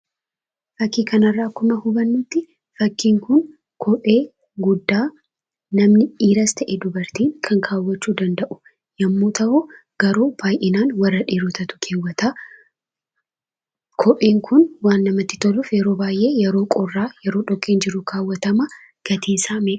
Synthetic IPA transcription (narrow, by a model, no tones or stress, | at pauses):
fɐkːiːkɐnɐrːaːkʊmɐhʊbɐnːʊt̪ːɪ | fɐkːiːŋkʊn | kʰɔʔe̞ː | ɡʊd̪ːaː | nɐmnɪiːɾɐst̪ɐʔɛd̪ʊbɐɾt̪iːŋkʰɐŋkʰaːwːɐt͡ʃːuːd̪ɐnd̪ɐʔʊ̥ | jɐmːoːt̪ʰɐʔoː | ɡ̥ɐɾuːb̥aːjʔɪnaːnwɐrːɐᶑiːɾʊt̪ɐt̪ʊ̥kʰeːwːɐt̪a | kʰɔʔeːŋkʰʊnwaːnːɐmɐt̪ːɪ̥t̪ɔlʊfjɛɾo̞ːbaːjʔe̞ːjɛɾo̞ːkʼɔrːaːjɛɾoːᶑɔkʼːeːnd͡ʒɪɾʊkʰaːwːɐt̪ɐmɐ | ɡ̥ɐt̪ʰiːnsaːmeːʔ